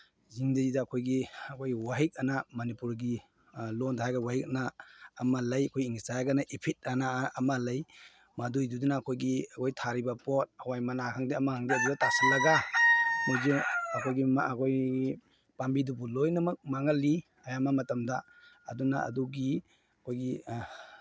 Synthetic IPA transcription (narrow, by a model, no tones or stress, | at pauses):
ziŋdazidaːkʰojɡiɐkʰojɡiwaɦik̚ɐnamɐnipuɾɡi | lontʰajɡawahik̚naːmalajɐkʰojiŋstajɡanaʔipʰit̚anaːmalɐj | madujdudunaːkʰojɡiɐkʰojtʰaɾibapot̚ɐwajmanakʰaŋdiɐmakʰaŋdiɐdubatasilːɐɡanoziɐkʰojɡimakʰoj | pambidubulojnɐmɐk̚maŋɐlːi | ɐjamamɐtɐmda | ɐ̰duna̰ɐ̰duɡi | ɐkʰojɡi